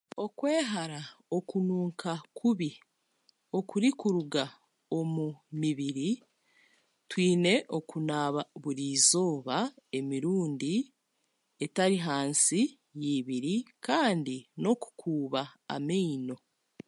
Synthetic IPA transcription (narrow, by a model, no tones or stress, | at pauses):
o̞kwe̞ːɦaɾao̞kunuːŋkʰakʰuβi | o̞kuɾikuɾuɡa | o̞mumiβiɾi | twiːne̞ʔo̞kunaːβaβuɾiːzo̞ːβae̞miɾuːndi | e̞taɾiɦaːnsi | jiβiɾikaːndino̞ku̥kʰuːβaa̰miino̞